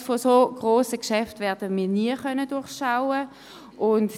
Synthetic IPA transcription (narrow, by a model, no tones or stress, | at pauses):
fosoɡ̥ʁoːsəkʃɛftʋɛɐdəmiːɐniəχœnədʊɐχʃaʊə | ʔʊnt